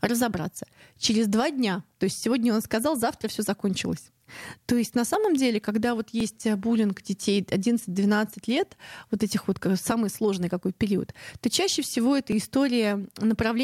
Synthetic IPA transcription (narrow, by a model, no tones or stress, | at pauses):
rəzɐbɾa̰t̪sːə̥t͡ɕɪɾʲɪzd̪vadʲnʲat̪o̞ɪsʲtʲsʲɪvo̞dʲnʲəo̞nskɐzɑlˠzaft̪ɾəfsʲɵzɐko̞nʲt͡ɕɪ̰lˠə̰sʲ | t̪o̞ɪsʲtʲnɐsaməmdʲelʲɪkɐɡd̪avo̞t̪jesʲtʲəbulʲɪnkdʲɪtʲejɐdʲinət̪sɨt̚ʲd̪vʲɪnat̪sɨtʲlʲe̞t̪vo̞t̪ɛtʲɪxvo̞t̪kasamɨjslˠo̞ʐnɨjkɐko̞jt̪̚pʲɪɾʲiə̰t̪t̪o̞t͡ɕæɕːɪfsʲɪvo̞ɛt̪əɪst̪o̞ɾʲɪjənəpɾɐvlʲe